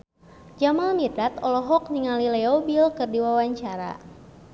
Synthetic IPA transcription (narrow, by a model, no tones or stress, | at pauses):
d͡ʒamalmid̪at̪ɔlɔɦɔk̚niŋalilɛɔbilkɨrdiwawaɲt͡ʃaɾa̰